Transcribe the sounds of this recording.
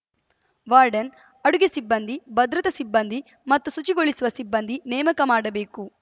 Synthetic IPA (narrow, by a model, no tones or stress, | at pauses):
ʋaːɾɖɐn | ɐɽuɡesibːɐnd̪ʱibɐd̪ɾɐt̪ɐsibːɐnd̪ʱi | mɐt̪ːusut͡ʃiɡoɭisuʋɐsibːɐnd̪ʱinɛːmɐkɐmaːɽɐbe̞ːku